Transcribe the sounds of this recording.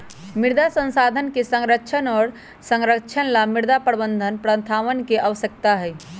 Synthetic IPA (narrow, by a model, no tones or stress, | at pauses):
miɾd̪asə̃nsad̪ʱənkesəŋɾəkt͡ʃʰənɔːɾ | sə̃ŋɾəkt͡ʃʰənlamiɾd̪apəɾbənd̪ʱənpɾə̃nt̪ʰaʋənkeʔəʋəsjək̚t̪aɦəj